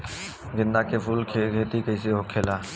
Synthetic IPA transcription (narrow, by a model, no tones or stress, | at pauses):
ɡɪnd̪aːkefuːlkʰeɡeːt̪iːkəɪs̬eɦoːkʰeːlaː